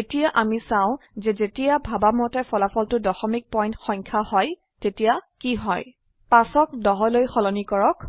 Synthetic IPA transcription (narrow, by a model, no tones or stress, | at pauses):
etijaʔamisãʊ̃zɛzetijabʱabamɔtɛpʰɔlapʰɔltʊdɔxɔmik̚pɔj̃ntxɔŋkʰahɔj | tetijakiɦɔj | pasɔk̚dɔɦɔlojxɔlɔnikɔɹɔk